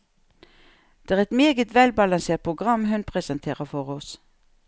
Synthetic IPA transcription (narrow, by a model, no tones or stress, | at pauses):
d̪̥eːæːʁɛt̪meːɡət̪ʋɛlbɑlɑnseːʁt̪̚pʰʁʊɡʁɑmːɦʉnpʰʁɛsənt̪ʰeːʁəfɔʁɔs